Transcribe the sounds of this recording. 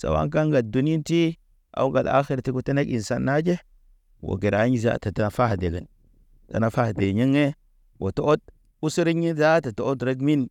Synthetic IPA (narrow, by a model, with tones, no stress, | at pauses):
sa̰˨wa̰˦ŋka˦ŋɡa˨du˨ni˦i˦nti˦ | a̰˨wu˦ɡa̰˨la̰˦xi˦ɾa˨ti˦ku˦te˦na˦ki˨sa˦nːa˦d͡ʒe˦ | wo̰˨ɡe˨ɾa˦ɲi˦za̰˦˨ta˨ta˨na˨fa˦hde˨ɡa˨n | ta̰˨na˨fa˦hde˨ɲi˦ŋe˦ | wʔo˨to˦o˦t̚ | u˦si˦ɾi˦ɲi˦za˦ta˨to˦o˦tɾe˦ɡmi˦n